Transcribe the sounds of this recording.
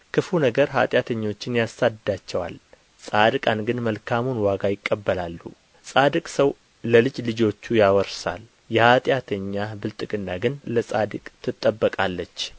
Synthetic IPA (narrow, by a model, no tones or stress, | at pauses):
kʰɨfunəɡəɾɦa̰t̪ʼjat̪ʰəɲːo̞t͡ʃːɪnjasad̪d̪at͡ʃːɛwa̰l | sʼad̪ɨkʼanɡɨnməlkʰamonwaɡajɪkʼːəbːəlalːṵ | sʼad̪ɨkʼsəw | ləlɨd͡ʒlɨd͡ʒo̞t͡ʃːujawɔɾsa̰l | jɛhat̪ʼjat̪ʰəɲːabɨlt̪ʼɨɡʼɨnːaɡɨnləsʼad̪ɨkʼt̪ʰɨt̪ʼːəbːəkʼalːət͡ʃː